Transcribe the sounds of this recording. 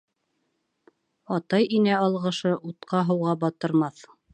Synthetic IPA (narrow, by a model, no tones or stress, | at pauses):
ɑt̪ɑjinæɑlˠʁɤ̆ʃɤʔut̪qɑɦɤ̆wʁɑbɑt̪ɤ̆ɾmɑθ